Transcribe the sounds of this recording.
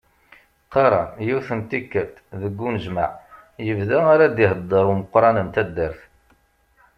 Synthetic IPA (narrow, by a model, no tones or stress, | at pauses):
qɑɾˤɑ̰jiwθənt̪ikːæt̪ðəɡʷːunəʒma̰ʕ | jəvðaaɾad̪iɦəd̪ˤːəɾˤuməqːɾˤɑnəmt̪æd̪ːəɾθ